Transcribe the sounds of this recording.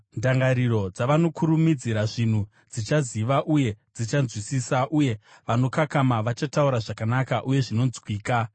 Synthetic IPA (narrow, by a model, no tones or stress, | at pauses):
ndaŋɡaɾiɾo̞d͡zaʋano̞kʰuɾumid͡ziɾaʐin̤u | d͡zit͡ʃaziʋaʔuje̞d͡zit͡ʃanzwisiːsaʔuje̞ʋano̞kakamaʋat͡ʃatauɾaʐakanakaʔuje̞ʐino̞nzwiːka